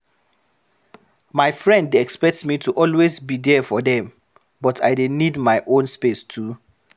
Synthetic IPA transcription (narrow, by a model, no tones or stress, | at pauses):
maɪfɹɛ̃ndɛkspɛk̚tmitʰuʔɔlwezbidɛfɔdɛ̃m | bɔtʰa̰ɪdenidmaɪʔõnspestʰu